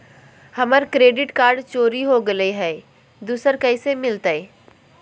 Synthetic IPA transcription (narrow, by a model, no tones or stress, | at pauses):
hɐməɾkɾeːɖɪʈkaːɾɖt͡ʃoːɾiɦoɡɐleɦɛː | d̪uːsəɾkɐɪsemɪlt̪əeː